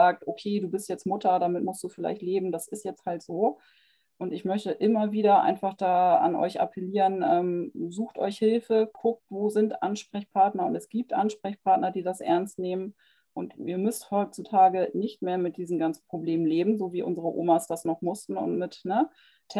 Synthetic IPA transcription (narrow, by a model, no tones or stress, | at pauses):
aːk̚tʔokʰeːduːbɪstjɛt͡stmʊtʰɐdaːmɪtmʊstd̥uːfɪla̰ɪçtleːbm̩dasɪstjɛt͡sthaltz̥oː | ʔʊntɪçmœçtəʔɪmɐviːdɐʔa̰ɪnfaχd̥aːa̰nʔɔ̰ʏçʔa̰pʰɛliːʁənʔɛːmzuːxtʔɔ̰ʏçhɪlfəkʰʊk̚tvoːzɪntʔanʃpʁ̥ɛçpʰaɐtnɐʊntɛsɡ̥iːp̚tʔanʃpʁ̥ɛçpʰaɐtnɐdiːdasʔɛ̰ɐnstneːmən | ʔʊntiːɐmʏsthɔʏt͡sutʰaːɡənɪçtmeːɐmɪt̚d̥iːzn̩ɡant͡sn̩pʁ̥obleːmənleːbm̩zoːviːʔʊ̰nzəʁəʔo̰ːmasd̥asnɔχmʊstn̩ʊ̰ntmɪtnə | ɛ